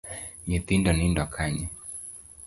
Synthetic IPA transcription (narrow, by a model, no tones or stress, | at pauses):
ɲit̪indɔnindakʰaɲɛ